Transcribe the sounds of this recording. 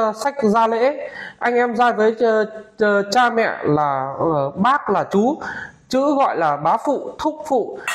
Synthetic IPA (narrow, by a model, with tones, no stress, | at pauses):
sa˦˥jk̟̚zaː˧lḛ˧˥ʔa˧jŋ̟ʔɛ˧mzaː˧jvəː˨˦j | t͡ɕaː˧mɛ̰˧˨laː˨˩˨ɓaː˦˥k̚laː˨˩t͡ɕu˨˦t͡ɕɨ̰˧˥ɣɔ̰˧˨jlaː˨˩ɓaː˨˦fṵ˧˨t̪ʰʊ˦˥k͡p̚fṵ˧˨